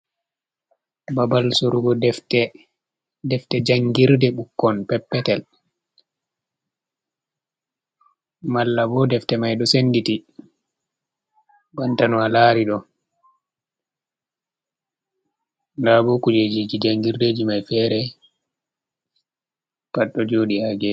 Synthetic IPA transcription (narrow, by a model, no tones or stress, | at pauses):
babalsoɾuɡɔdɛftɛ | dɛftɛd͡ʒaŋɡiɾdɛɓukːɔnpɛpːɛtɛl | malːabɔdɛftɛmajɗɔsenditi | bantanɔalaɾiɗɔ | ndabɔkud͡ʒed͡ʒid͡ʒid͡ʒaŋɡiɾdeːd͡ʒimajfɛɾɛ | paɗːɔd͡ʒoːɗihaɡɛ